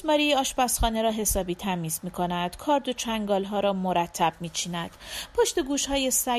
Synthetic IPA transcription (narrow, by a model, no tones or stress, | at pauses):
mɒːɾiːɒːʃbæsχɒːne̞ɾɒːɦe̞sɒːbiːt̪ʰæmiːzmiːkʰo̞næd̪̥kʰɒːɾd̪o̞t͡ʃʰæŋɡɒːlɦɒːɾɒːmoɾæt̪ʰːæb̥̚miːt͡ʃʰiːnæd̪̥pʰoʃt̪e̞ɡuːʃhɒːjesæ